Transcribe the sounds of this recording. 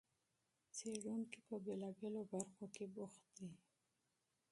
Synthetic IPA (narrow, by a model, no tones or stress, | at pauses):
t͡seɽunkipəbelabelobaɾxokebʊxt̪̚d̪i